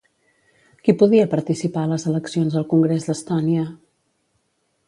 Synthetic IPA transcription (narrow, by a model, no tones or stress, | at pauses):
kipuðiəpəɾt̪isipaələzələksionzðəlˠkuŋɡɾezd̪əst̪ɔniə